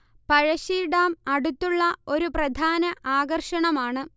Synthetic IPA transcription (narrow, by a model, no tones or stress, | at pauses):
pɐɻɐɕiːɽaːmɐɽut̪ːuɭːɐo̞ɾuprɐd̪ʱaːnɐʔaːɡɐrʂɐɳɐmaːɳɨ